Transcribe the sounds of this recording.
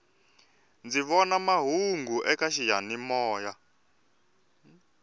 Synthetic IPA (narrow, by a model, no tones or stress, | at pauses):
nd͡ziβɔnamaɦuŋɡuʔɛkaʃijanimɔːja